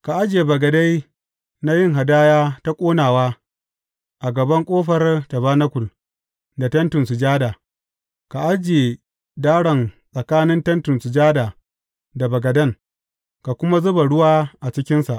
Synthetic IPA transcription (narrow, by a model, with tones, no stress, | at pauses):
ka˨ʔa˦d͡ʒe˨bɐ˨ɡɐ˨da˦j | na˦jɪ˦ŋɦa˨daː˦jaː˦ta˦kʷʼoː˦naː˨waː˦ | ʔa˨ɡɐ˨bɐ˦ŋkʷʼoː˦ɸɐ˨rtɐ˨baː˦nɐ˦kʷʊ˨l | da˨tɐ˦ntʊ˨sʊ˨d͡ʒaː˦daː˨ | ka˨ʔa˦d͡ʒeː˨ | daː˦ɽɐ˨nsʼɐ˨kaː˦nɪ˦ntɐ˦ntʊ˨nsu˨d͡ʒaː˦daː˨ | da˨bɐ˨ɡɐ˨dɐ˦ŋ | ka˨kʷʊ˦ma˦zʊ˦ba˨ɽʊ˦waː˦ʔa˨t͡ʃɪ˦kʲɪ˦nsa˨ʔ